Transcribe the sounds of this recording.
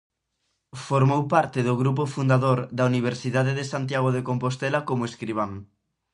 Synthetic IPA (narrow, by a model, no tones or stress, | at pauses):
foɾmowpaɾt̪ɪðoɣɾup̬ofund̪aðoɾd̪auniβ̞eɾsiðaðeðesant̪̬jaɣ̞oðekompost̪ɛlakomoeskɾiβ̞aŋ